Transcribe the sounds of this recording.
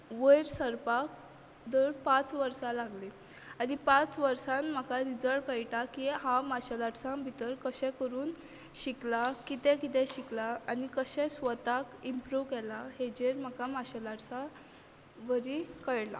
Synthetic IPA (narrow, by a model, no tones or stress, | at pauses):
ʋəjɾsəɾpak̚ | d̪əɽpat͡sʋəɾsalaɡle | anipat͡sʋəɾsanm̤akʰaɾid͡zəɭɽkəjʈakihãmaɕəlaʈsãbʱit̪əɾkəɕɛ̃kəɾuːn | ɕiklakit̪ɛ̃kit̪ɛ̃ɕiklaanikəɕɛ̃sʋət̪akimpɾuʋkɛlahed͡ʑeɾm̤akʰamaɕəlaʈsa | ʋəɾikəɭla̰